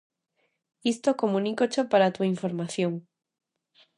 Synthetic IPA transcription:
ist̪okomũnikot͡ʃopaɾat̪uaiɱfoɾmaθjoŋ

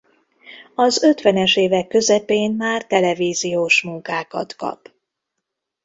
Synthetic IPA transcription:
ɒzø̞t̪ʋɛnɛʃeːvɛkːø̞zɛpeːnmaːrt̪ɛlɛviːzijoːʃmuŋkaːkɒ̰t̪kɒ̰p

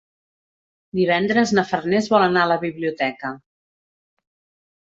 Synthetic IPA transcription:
d̪iβ̞ɛnd̪ɾəznəfərnezβɔlənaələβiβliut̪ɛkə

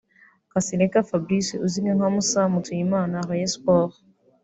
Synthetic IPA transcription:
kasilɛkafabɾisiuziŋɡɛŋamusamutʰuimanaʁɛɛspɔʁ

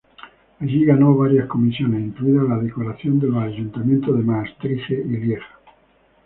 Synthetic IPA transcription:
aʝiɣanoβ̞aɾjahko̞misjonesiŋkluiðalaðekoɾaθjo̞nd̪elaːjunt̪amjent̪oðemaest̪ɾiθeiljeɣḁ

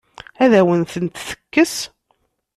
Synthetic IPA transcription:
æðæwənθənt̪θə̥kːəs

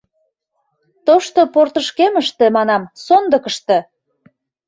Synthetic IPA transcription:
t̪oʃt̪oport̪əʃkeməʃt̪emɑnɑmsond̪ə̆kəʃt̪ĕ

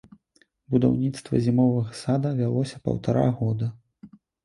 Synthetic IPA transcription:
bud̪a̰wnʲit̪st̪vɐ̰zʲimɔvɐɣɐsad̪ɐvʲalˠɔsʲɐpɐ̰wt̪aɾa̰ɣɔd̪ɐ

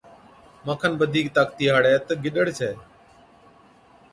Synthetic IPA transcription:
məːkʰənʋəd̪ʱiːk̚t̪aːkt̪iːɦaːɽɛːt̪əɡɪɗəɽt͡ʃʰeː

